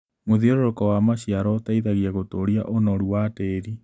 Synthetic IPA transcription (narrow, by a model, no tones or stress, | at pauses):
moðieɾoɾokɔwamaɕiaɾɔtaiðaɣiaɣotoɾia̰ʔonɔɾuwateɾi